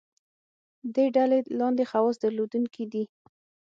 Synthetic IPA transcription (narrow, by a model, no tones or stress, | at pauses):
d̪eɖalelɑnd̪exawɑsd̪aɾlod̪uŋkʰid̪i